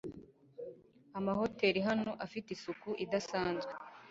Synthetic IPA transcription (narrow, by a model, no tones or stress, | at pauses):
amaho̞te̞ːɾiɦano̞ʔafitisukuʔidasaːnzɡe